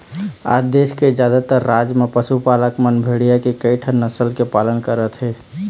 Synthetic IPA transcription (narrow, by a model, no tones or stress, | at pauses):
a̰d̪esked͡ʒjad̪at̪əɾːad͡ʒmepəsupaləkmənbʱeɽijakekəiʈʰənːəsəlkepalənkəɾət̪ɦɛ